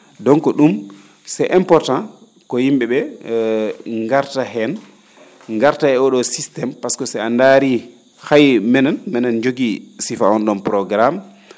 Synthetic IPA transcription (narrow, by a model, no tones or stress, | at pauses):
dɔŋkɔɗum | sɛʔɛmpɔɾtã | kɔhimɓɛɓɛ | ŋɡaɾtaɦɛn | ŋɡaɾtaɛɔɗɔsistɛmpaskɔsɛandaɾi | hajmɛnanmɛnand͡ʒoɡisifaɔnɗɔmpɾɔɡɾam